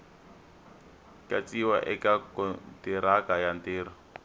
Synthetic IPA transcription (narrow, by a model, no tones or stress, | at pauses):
kat͡siwaʔɛkakɔntiɾakajanteːɾɔ